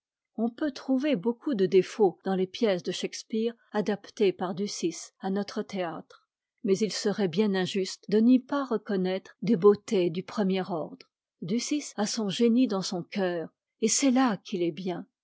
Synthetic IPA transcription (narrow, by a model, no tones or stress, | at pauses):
ɔ̃pøt̪χuvebokud̪əd̪efod̪̥ɑ̃lepjɛsd̪əʃɛkspiʁ | ad̪apt̪epaʁd̪ysisanɔt̪χət̪eat̪χ | mɛzilsəʁɛbjɛ̃nɛ̃ʒyst̪d̪ənipaʁəkɔnɛt̪χd̪ebot̪ed̪ypχəmjɛʁɔʁd̪ʁ | d̪ysisasɔ̃ʒenid̪ɑ̃sɔ̃kʲœːʁ | esɛlakʰʲilɛbjɛ̃